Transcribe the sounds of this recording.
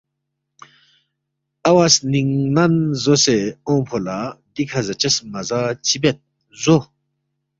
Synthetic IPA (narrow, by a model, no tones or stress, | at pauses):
awasniŋnanzoseõpʰolad̪ikʰazət͡ɕəsmazat͡ɕibet̪̚ | zo